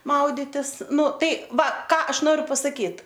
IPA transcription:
ˈmɐʊdʲɪtʲɪs ˈnʊ ˈtɐɪ ˈʋɐ ˈkɑː ˈɐʃ ˈnoːrʲʊ pɐsɐˈkʲiːt

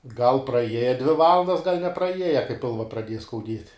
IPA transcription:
ɡɐlˠ prɐˈiɛjɛ dʲʋʲɪ ˈʋɑːlˠɐndɐs ɡɐlʲ nʲɛprɐˈiɛjɛ kɐɪ ˈpʲɪlˠʋɐ prɐˈdʲiɛjɛ skɐʊˈdʲiɛtʲ

